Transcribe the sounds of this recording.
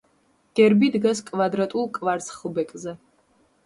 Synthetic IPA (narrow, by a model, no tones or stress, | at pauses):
ɡ̥ɛɾbid̪ɡaskʼvad̪ɾat̪ʼulˠkʼvaɾt̪sʰʼχlˠbɛkʼzɛ